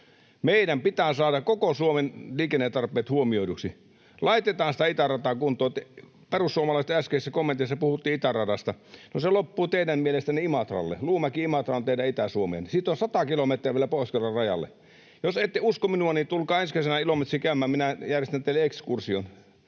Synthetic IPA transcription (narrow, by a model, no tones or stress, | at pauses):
meˑidæmpit̪æːsɑːdɑkokosuomenliːkenːet̪ːɑrpˑeːt̪huomioiduksi | lɑit̪et̪ɑːnsĭ̥t̪æit̪ærɑt̪ɑːˑkunt̪ˑoːt̪ː | perusːuomɑlɑist̪æskeisːækomːent̪isːɑpuhut̪ːiːit̪ærɑdɑst̪ɑnoselopːuːt̪eidæmmielest̪æniimɑt̪rɑ̰lːḛluːmɑkiimɑt̪rɑont̪eˑidæit̪æsuomḛnsiːt̪osɑt̪ɑkilomet̪riæʋielæpoˑiskelːɑrɑjɑ̰lːḛ | joseit̪ːeuskominuɑnit̪ulkɑːensmæsenæilomet̪riːkæymːæːmminæjærjest̪ænt̪eileekskursion